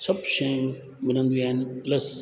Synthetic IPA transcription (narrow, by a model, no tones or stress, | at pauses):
sɐbʃɐjũ | mɪnə̃nd̪uaːnplɐs